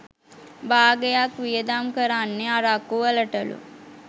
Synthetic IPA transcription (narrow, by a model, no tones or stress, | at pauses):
baːɡejakʋijəd̪amkəɾanːeaɾakːuʋələʈəlṵ